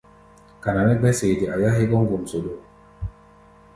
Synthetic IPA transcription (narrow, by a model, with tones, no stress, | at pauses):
ka˨na˨mɛ˦ɡ͡bɛ˦se˨di˨a˨ja˦ɦi˦kɔ˦ŋ˦ɡu˨mso˨do˨